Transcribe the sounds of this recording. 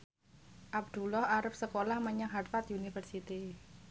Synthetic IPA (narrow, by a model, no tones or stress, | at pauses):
ʔab̚d̪̥ṳlɔhaɾəp̚səkolahməɲaŋɦart̪at̪unifərsit̪i